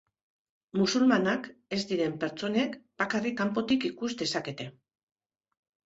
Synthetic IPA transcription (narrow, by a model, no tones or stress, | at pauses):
musulmanake̞zd̪iɾe̞mpe̞ɾt͡so̞ne̞kb̥akarikampo̞t̪ikikuzd̪e̞sake̞t̪e̞